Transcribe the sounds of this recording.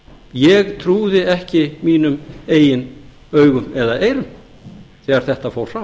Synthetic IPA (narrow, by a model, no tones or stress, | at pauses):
jɛɣt̪ʰɾuːðɪɛhcɪmiːnʏmeːjɪn | œːɥɣʏmɛðaeːjɾʏm | θɛːɣaɾ̥θɛht̪afoːwɾ̥saː